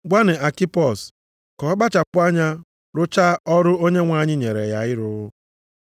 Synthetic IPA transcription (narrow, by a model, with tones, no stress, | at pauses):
ɡʷa˦nɪ˨a˨ki˦pɔ˦˨s | kɔ˨˦ɡ͡ba˦t͡ʃa˨k͡pʊ˦a˦ɲa˦ | ɾʊ˦t͡ʃa˦ɔ˦ɾʊ˦o˦ɲe˦ŋʷa˨ɲɪ˦ɲe˨ɾḛ˨ja˨ɣɪ˦ɾʊ˦ɣʊ˦